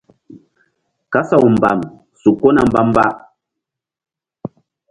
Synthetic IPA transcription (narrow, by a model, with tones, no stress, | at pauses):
ka˦sa˦˨wu˨m̩˨ba̰˨m | su˨ko˦na˦˨m̩˦ba˦m˦ba˦ʔ